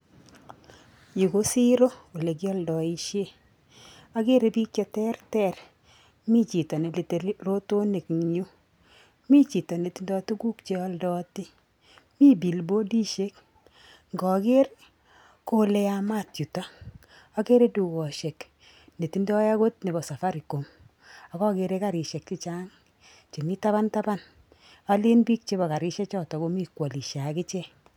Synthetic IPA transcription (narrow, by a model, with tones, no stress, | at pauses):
ju˨ko˦si˦ɾo˦o˨le˨k̬jɔ˦ldɔ˨i˦ʃje˦ | a˦ɡe˦ɾe˨bi˦k̚t͡ʃɔ˦tɛ˦rtɛ˦˨ɾ | mi˦t͡ʃi˨tɔ˨ne˨le˨te˨˦ro˦to˦ne˨kɲu˦ | mi˦t͡ʃi˨tɔ˨ne˨ti˦ndɔ˦tu˦ɡu˦kt͡ʃe˦ɔ˦ldɔ˦tɪ˦ | mi˦bi˨lbo˦di˦ʃe˦k | ŋɡɔ˨ke˦ɾ | ko˦le˦a˨ma˦tju˨tɔ˦ | a˦ke˦ɾe˦du˨kɔ˨ʃe˨k | ne˨ti˨ndɔ˦ja˦ko˦tne˨bɔ˨sa˨fa˦ɾi˨ko˨m | a˨kɔ˦ke˦ɾe˦ka˦ɾɪ˨ʃɛ˨k̚t͡ʃi˦t͡ʃa˦ŋ | t͡ʃe˨mi˦ta˦ba˦nta˦ba˦n | a˦lɪ˦nbi˦k̚t͡ʃe˦bɔ˨ka˨ɾɪ˦ʃɛ˦t͡ʃɔ˦˨tɔ˨ko˦mi˦kwɔ˨li˨ʃa˨kɪ˦t͡ʃɛ˦